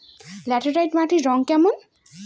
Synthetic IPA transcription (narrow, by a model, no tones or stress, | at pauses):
lɛʈəɾajʈmaʈʰiɾɔŋkɛmɔn